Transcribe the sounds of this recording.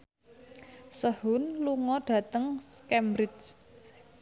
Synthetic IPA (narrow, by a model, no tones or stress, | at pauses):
səhʊnluŋɔɖ̥ä̤t̪əŋskɛmbɾɪt͡ʃt͡ʃ